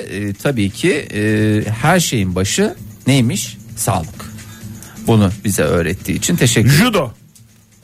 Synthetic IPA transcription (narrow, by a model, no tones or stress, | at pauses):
t̪ʰabiːcʰi | hæɾʃe̞jinbaʃɯnejmiʃsa̰ːlˠɯk | bunubizɛ̰ø̞̰ːɾɛt̪ʰːḭːit͡ʃʰint̪ʰeʃɛcːʒud̪o